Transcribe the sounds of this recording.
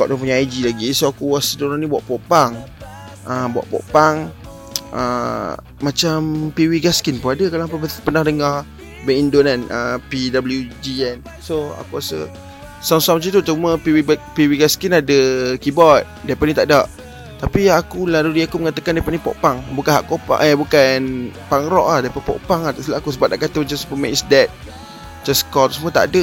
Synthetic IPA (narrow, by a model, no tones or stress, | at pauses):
kaʔdupuɲaad͡ʒilaɡisoakuasədonanibuaʔpɔʔpaŋ | əbwa̰ʔpɔ̰ʔpaŋ | ə̰ | mat͡ʃampiwiɡaskinpuadəkalaapəpənahdəŋah | bəindonanəpidabəljud͡ʒiɛn | soa̰kuasə̰ | samsamt͡ʃit̪ut͡ʃuməpiwipiwiɡaskinadəkibɔt̪̚dapaʔnit̪aʔdaʔ | t̪apiakulaɾudiakuməŋat̪əkandapaʔnipɔ̰ʔpaŋbukanɦa̰ʔkopa̰ʔəbukanpaŋɾɔʔlahdapapɔ̰ʔpaŋat̪aʔsilaakusəbap̚naʔkat̪əd͡ʒaspəmɛ̰̃ʔsdɛt̪̚ | d͡ʒaskɔt̪usəmət̪aʔa̰də